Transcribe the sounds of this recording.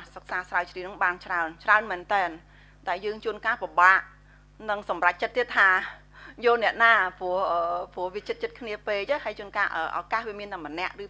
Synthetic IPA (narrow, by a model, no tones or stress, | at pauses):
sək̚saːsraət͡ɕriːnɨŋɓaːnt͡ɕraənt͡ɕraənmɛːnt̪ɛːn | ɗaɛljəːŋt͡ɕuənkaːpiɓaːʔ | nɨŋsɑmrac̚t͡ɕət̪ːiət̪ʰːaː | joːlnɛ̆əʔnaːpŭəhʔəːpŭəhʋiət͡ɕət̪̚t͡ɕət̪̚kʰniəpeːlt͡ɕəːɦəjt͡ɕuənkaːʔəːʔa̰kaːhʋiəmiənt̪aŋmənɛ̆əʔrɨː